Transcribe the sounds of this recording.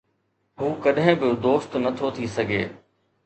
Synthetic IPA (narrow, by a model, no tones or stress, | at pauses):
ɦuːkɐɗɦɪ̃bɪd̪oːst̪nɐt̪ʰot̪ʰisɐɡʱḛː